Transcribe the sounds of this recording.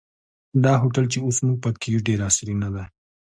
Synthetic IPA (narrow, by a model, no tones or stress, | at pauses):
d̪ɑɦoʈalt͡ʃeosnupakijuɖeɾɑsɾinad̪aj